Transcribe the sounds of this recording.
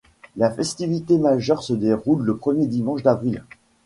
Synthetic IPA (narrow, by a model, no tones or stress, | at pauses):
lafɛst̪ivit̪emaʒœʁsəd̪eʁulːəpχəmjed̪imɑ̃ʃd̪avʁil